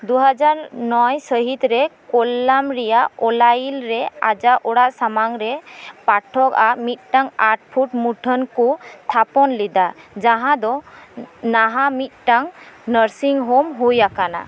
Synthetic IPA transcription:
d̪uɦad͡ʒaɾnɔjsəɦit̪ɾɛkɔlːamɾɛjaɔlajilɾɛa̰d͡ʒaʔɔɽaʔsamaŋɾɛpaʈʰːɔkamit̪̚ˀʈaŋaɾʈ̚pʰuʈmuʈʰənkut̪ʰapɔnlid̪ad͡ʒaɦãd̪ɔ | naɦamit̪̚ʈaŋnəɾsiŋɦomɦujakana̰

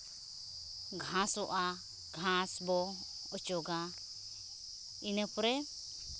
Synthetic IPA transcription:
ɡʱãsɔʔa | ɡʱãsbɔ | ɔt͡ʃɔɡa | inəpɔɾɛ

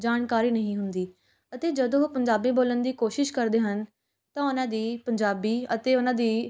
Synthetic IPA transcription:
d͡ʒaːnkaːɾiːnəɦĩːɦʊnd̪iː | ət̪eːd͡ʒəd̪õːopəɲd͡ʒaːbiːboːlənd̪iːkoːʃɪʃkəɾd̪eːɦən | t̪ãːʊnãːd̪iːpəɲd͡ʒaːbiːə̰t̪eːʊnãːd̪iː

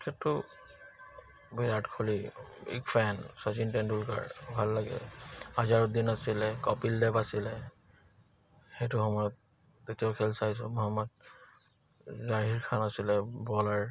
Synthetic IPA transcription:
kʰɛtːʊ | biɹatkʰoliḭkfʰɛnsazintɛndulka̰ɹbʱalːaɡɛ̰azaɹud̪inasilɛkɔpildɛbasilɛ | xejtʊxɔmɔjɔt̚ː | etijaʊkʰɛlsajs̬ɔmɔɦamːɔd̚ | zaɦiɹkʰanasilɛbɔlaɹ

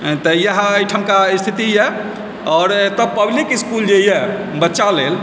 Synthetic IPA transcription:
t̪əjəɦəjʈʰəmkaist̪ʰit̪ijɛ | ɔːɾt̪əb̚pəblikiskuld͡ʒeijɛ | bətːʃalel

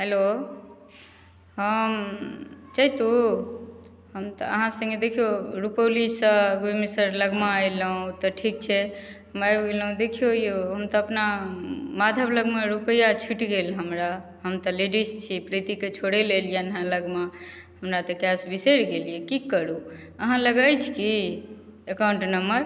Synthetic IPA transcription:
ɦelo | ɦəm | t͡ʃaɦit̪u | ɦəmt̪ɔəɦãsə̃ŋɡed̪ekʰijoɾupəlisəɡemesəɾləɡmaajləɦũt̪ɔʈʰik̚t͡ʃʰɛɦəmajɡeləɦũd̪ekʰijojoɦəmt̪ɔəpnamad̪ʱəbləɡmẽɾupəjat͡ʃʰiʈɡelɦəmɾaɦəmt̪ɔleɖist͡ʃʰipɾit̪iket͡ʃʰoɽelelijanɦãləɡma | həmɾat̪ɔkjasbiseɾɡeliɛkikəɾuəɦãləɡajt͡ʃʰki | ekawɳʈnəməɾ

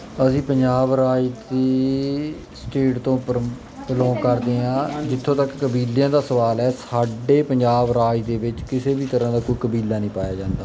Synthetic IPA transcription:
əsĩːpəɲd͡ʒaːbɾaːid̪iː | sʈeːʈt̪õː | pəlɔ̃ːkəɾd̪eːãːd͡ʒɪt̪ʰːõːt̪əkːəbiːljãːd̪aːsəʋaːlɛːsaːɖeːpəɲd͡ʒaːbɾaːid̪eːbɪt͡ʃkɪseːbiːt̪əɾãːd̪aːkoːikəbiːlːaːnə̃ĩːpaːjaːd͡ʒãːnd̪aː

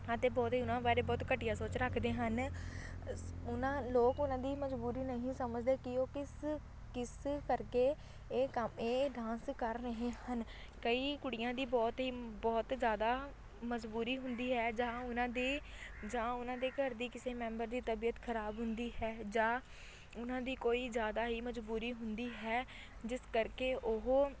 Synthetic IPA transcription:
ət̪eːbɔːt̪ɦiːʊnãːbaːɾeːbɔːt̪kəʈɪjãːsoːt͡ʃɾəkʰd̪eːɦən | ʊnãːloːkʊnãːd̪iːməzbuːɾiːnəɦĩːsəməd͡ʒd̪eːkɪoːkɪs | kɪskəɾkeː | eːkəmeːɖãːnskəɾːəɦeːhən | kəiːkʊɽɪjãːd̪iːbɔːt̪ɦiːbɔːt̪zjaːd̪aː | məzbuːɾiːɦʊnd̪iːɦɛːd͡ʒãːʊnãːd̪iː | d͡ʒãːʊnãːd̪eːɡəɾd̪iːkɪseːmɛ̃ːmbəɾd̪iːt̪əbiːət̪kʰəɾaːbɦʊnd̪iːɦɛːd͡ʒãː | ʊnãːd̪iːkoːiːzjaːd̪aːɦiːməd͡ʒbuːɾiːɦʊnd̪iːɦɛː | d͡ʒɪskəɾkeːʔʊɦː

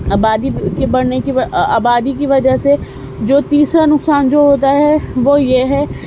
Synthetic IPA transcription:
aːbaːd̪ikebɐɽ̤nekiʋa̰ːbaːd̪ik̬iʋɐd͡ʒəɦse | d͡ʒoːt̪iːsɾanʊksaːnd͡ʒoːɦoːt̪̬aɦɛʋojeɦɛ

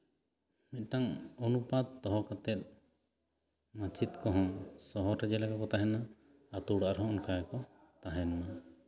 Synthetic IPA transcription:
mɛt̪̚ˀʈaŋɔnupad̪̚t̪ɔɦɔkat̪ɛt̪̚ˀ | mãt͡ʃit̪kɔɦɔ̃sɔɦɔɾɛd͡ʒɛlakakɔt̪aɦɛnaː | t̪uɽaʔɾɦɔ̃ʔɔnkajakɔ | t̪aɦɛnma

